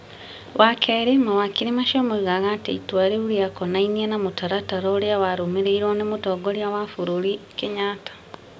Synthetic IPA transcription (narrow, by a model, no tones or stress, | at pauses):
wakʰeɾemawakiɾimaʃomoiɣaɣatḛitwaɾeuɾjakonainienamutaɾataɾoːɾjawaɾumeɾeiɾwonemutoːɡoɾjawafuɾuɾikeɲaːtḁ